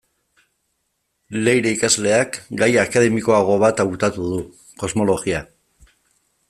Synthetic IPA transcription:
le̞jɾeikazle̞akɡajakað̞e̞miko̞aɣ̞o̞βat̪awt̪at̪uðu | ko̞zmo̞lo̞ɣia

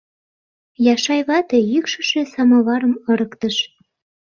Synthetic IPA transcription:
jɑʃɑjβɑt̪ejykʃə̆ʃesɑmɑβɑɾəmɤ̆ɾəkt̪əʃ

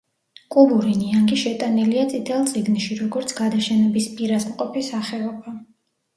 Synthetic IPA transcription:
kʼubuɾiniaŋɡiʃɛt̪ʼaniliat̪sʼit̪ʰɛlˠt̪sʼiɡnʃiɾɔɡɔɾt̪sʰɡ̥ad̪aʃɛnɛbispʼiɾasmqʼɔpisaχɛɔba

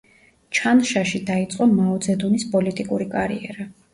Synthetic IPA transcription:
t͡ʃʰanʃaʃid̪ait̪sʼqʼɔmaɔd̪zɛd̪unispʼɔlit̪ʼikʼuɾikʼaɾḭɛ̰ɾa

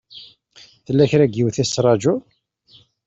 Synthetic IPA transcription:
θəlːæçɾæɡiwθæsːɾˤɑd͡ʒu

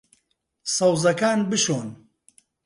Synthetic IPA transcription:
sɐwzɐkaːnbɨʃoːn

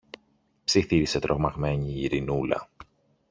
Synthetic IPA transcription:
psiθiɾise̞t̪ɾʔo̞ɣmɐɣme̞ɲiːɾinulɐ̰

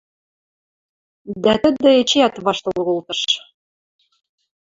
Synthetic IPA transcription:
d̪æt̪ə̆d̪ɘ̆et͡ɕeæt̪βɑʃt̪ɤl̆ɣolt̪ɤ̆ʃ

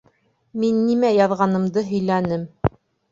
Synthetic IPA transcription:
minːimæjɑðʁɑnɤ̆md̪ɤɦɵ̆jlænɘm

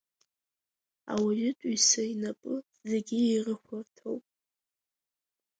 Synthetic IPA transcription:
a̰wijɪtʷʼusainapʼɨ | zeɡʲierɨxʷʊrtʰowpʼ

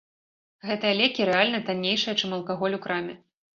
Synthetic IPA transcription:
ɣɛt̪ɐjɐlʲɛkʲiɾɛalʲnɐt̪anʲːejʂɐjɐt͡ʂɨmɐlˠkaɣɔlʲukɾamʲɛ

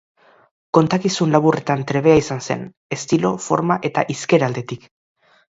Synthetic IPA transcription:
ko̞nt̪akisunlaβure̞t̪ant̪ɾe̞βe̞aisanse̞̰n | e̞st̪ilo̞fo̞ɾmaʔe̞t̪a̰ʔiske̞ɾald̪e̞t̪ik

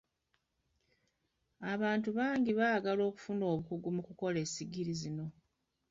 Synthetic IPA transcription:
aβaːntuβaːŋɡiβaɡalo̞ːku̥funo̞ːβukuɡumukuko̞le̞ːsiɡiɾizino̞

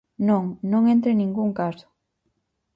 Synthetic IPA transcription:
nõŋnõŋẽnt̪ɾenĩŋɡuŋkasʊ̥

